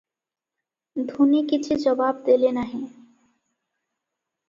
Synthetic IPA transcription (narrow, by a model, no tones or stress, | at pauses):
d̪ʱunikit͡ɕʰud͡ʑɔbab̚d̪elenaɦẽ